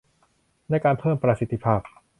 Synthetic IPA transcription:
naː˧jkaː˧npʰɤː˥˩mpɾa˧si˦t̪ʰːi˧pʰaː˥˩p̚

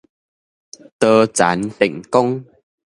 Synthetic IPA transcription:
t̪əː˧t͡ɕaː˨˦nt̪ḭ˧˨ŋ̟kɔ˧ŋ

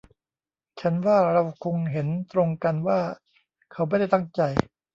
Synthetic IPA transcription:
t͡ɕʰa˦˥nwaː˥˩ɾa˧wkʰo˧ŋɦe˩˦nt̪ɾo˧ŋka˧nwaː˥˩ | kʰa˦˥wma˥˩jda˥˩jt̪a˥˩ŋt͡ɕa˧j

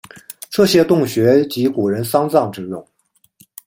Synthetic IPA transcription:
ʈ͡ʂɤ˥˩ɕjɛ˥t̪ʊ˥˩ŋɕɥɛ˧˥t͡ɕi˧˥ku˨˩ɻə˧˥nsɑ˥ŋt͡sɑ˥˩ŋʈ͡ʂɻ̩˧˥jʊ˨˩˦ŋ

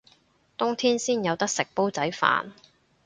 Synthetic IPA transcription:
t̪ʊ˥ŋt̪ʰiː˥nsiː˥njɐ˨˧wt̪ɐ˥k̚sɪ˨k̚po˥wt͡sɐ˨˥jfa̰ː˨n

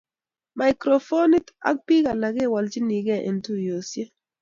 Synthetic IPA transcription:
ma˨ɪ˨kɾo˨fo˦ni˦ta̰˦k̚pi˦ɣa˨la˨ɡe˦˨wa˨ld͡ʒi˦ni˨ɡɛ˦˨ʔḛ˨ntu˦jo˨sje˦

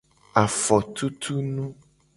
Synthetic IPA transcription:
a˨fɔ˨t̪ʰu˦t̪ʰu˦nũ˦

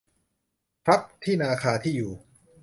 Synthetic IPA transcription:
pʰɾa˦˥p̚t̪ʰiː˥˩naː˧kʰaː˧t̪ʰiː˥˩juː˨˩

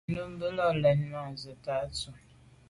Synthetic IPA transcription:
nu˦m˦bə˦lɔ˦lɛ˨nna˨zə˨ta˨˦t͡su˨

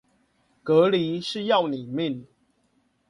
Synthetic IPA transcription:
kɤ˨˦li˨˦ʂɻ̩˥˧jɑ˥˨ʊni˨˩mi˥˨n

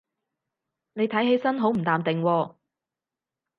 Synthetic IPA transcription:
ne˨˧jt̪ʰɐ˨˥jɦe˨˥jsɐ˥nɦo˨˥wm̩˨˩t̪aː˨mt̪ɪ˨ŋwɔː˧

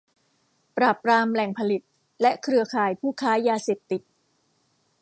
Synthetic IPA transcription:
pɾaː˨˩pːɾaː˧mlɛ˨˩ŋpʰa˧li˨˩t̪̚ | lɛ˦˥kʰɾɯ˧ɐkʰaː˨˩jpʰuː˥˩kʰaː˦˥jaː˧seː˨˩p̚t̪i˨˩t̪̚

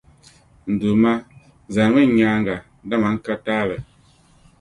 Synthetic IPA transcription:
n̩˨du˨ma˦ | za˨ŋɛ˦˨ɲaː˨˦ŋɡa˨˦da˦˨ma˨˦ŋ̩˦ka˦taː˦˨lə˨

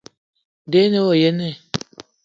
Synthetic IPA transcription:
de˨˦ne˦wo˨je˦ne˦˨

